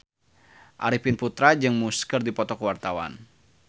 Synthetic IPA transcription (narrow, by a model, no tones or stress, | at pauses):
ʔa̰ɾipinput̪ɾad͡ʒɨŋmuskərdipɔt̪ɔkwart̪awa̰n